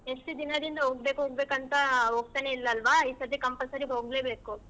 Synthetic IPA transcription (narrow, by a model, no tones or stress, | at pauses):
eʂʈud̪inɐd̪ind̪ɐɦoːɡbeːkuɦoːɡbeːkɐnt̪ɐɦoːɡ̚t̪ɐneilːɐːlʋaisɐd̪ikɐmpɐsɐɾiɦo̞ːɡleːbe̞ːku